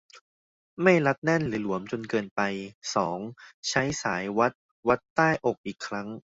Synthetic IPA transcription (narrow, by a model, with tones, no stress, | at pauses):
ma˥˩jla˦˥t̪̚nɛ˥˩nɾɯː˩˦lu˨˩˦əmt͡ɕo˧nkɤː˧npa˧jsɔː˩˦ŋt͡ɕʰa˦˥jsaː˩˦jwa˦˥t̪̚ | wa˦˥t̪ːaː˥˩jʔo˨˩k̚ʔiː˨˩kʰːɾa˦˥ŋ